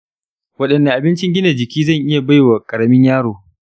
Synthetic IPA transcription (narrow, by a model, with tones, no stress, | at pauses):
wɐ˦ɗɐ˨nːɐ˨ʔa˨bɪ˦nt͡ʃɪ˦ŋɡʲɪ˦na˨d͡ʒɪ˨kʲiː˦zɐ˦˨ɲʔɪ˦ja˨ba˦˨jwa˨kʼɐ˨ɽɐ˦mɪ˦ɲjaː˦ɽoː˨